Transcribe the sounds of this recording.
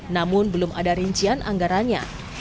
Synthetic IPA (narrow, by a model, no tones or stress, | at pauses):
namʊnbəlʊmʔa̰daɾiɲt͡ʃianʔa̰ŋɡaɾaɲa̰